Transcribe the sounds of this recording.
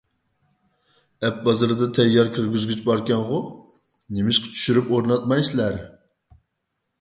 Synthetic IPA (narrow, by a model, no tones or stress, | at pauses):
ɛp̚bɑzɨɾɨd̪ɑt̪ʰɛjːɑɾkʲʰiɾɡʲyzɡʲyt͡ʃbɑɾkʲɛnʁʊ | nemɪʃqʰə̥t͡ʃʰy̥ʃyɾypoɾnɑt̪̚mɑjslæɾ